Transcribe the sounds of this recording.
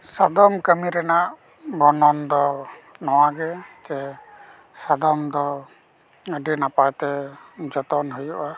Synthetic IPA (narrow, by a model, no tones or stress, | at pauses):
sad̪ɔmkəmiɾɛnaʔ | bʱɔnɔnd̪ɔnɔwaɡɛd͡ʒɛ | sad̪ɔmd̪ɔ | əɖinapajt̪ɛd͡ʒɔt̪ɔnɦujuʔa